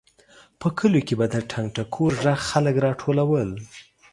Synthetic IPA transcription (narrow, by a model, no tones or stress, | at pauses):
pəkʰəlokebad̪əʈʰaŋɡʈakʰoɾʒaxxaləkɾɑʈʰolawəl